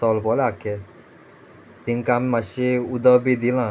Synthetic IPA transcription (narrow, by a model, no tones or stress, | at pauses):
ɔlpɔlakːe | t̪iŋkammaʃeud̪ɔbid̪ilã